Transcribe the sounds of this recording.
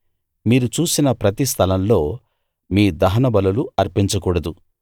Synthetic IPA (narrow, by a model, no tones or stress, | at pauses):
miːɾut͡ʃuːsinɐpɾɐt̪ist̪ʰɐlɐmlo̞ː | miːd̪ɐɦɐnɐbɐlɐluɐɾpiɲt͡ʃɐkuːɽɐd̪u